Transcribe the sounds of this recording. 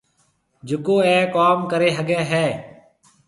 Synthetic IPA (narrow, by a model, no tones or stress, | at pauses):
d͡ʒɪkoːɛ̃ːkaːmkəɾeːɦəɠɛːɦɛː